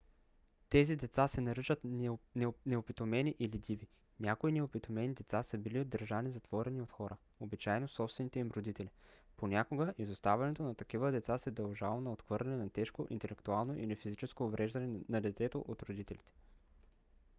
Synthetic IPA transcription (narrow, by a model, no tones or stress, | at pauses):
t̪ɛzid̪ɛt̪sasɛnɐɾət͡ʃət̪nnɛopit̪omɛniʔilid̪ivi | nʲakoinɛopit̪omɛnid̪ɛt̪sasəbiliod̪ːəɾʒanizɐt̪v̥ɔɾɛniot̪xɔɾʔə | obit͡ʃajnosɔpst̪vɛnit̪ɛimɾod̪it̪ɛliponʲakoɡəʔizost̪avʲɛnɛt̪onɐt̪ɐkivəd̪ɛt̪sasɛd̪ɐlˠʒalˠonɐot̪xvɤɾlʲɛnɛnɐt̪ɛʃkoʔḭnt̪ɛlɛkt̪ualˠnoʔilifizit͡ʃɛskoːvɾɛʒd̪ɐnɛnɐd̪ɛt̪sɛt̪oʔot̪ɾod̪it̪ɛlit̪ɛ̥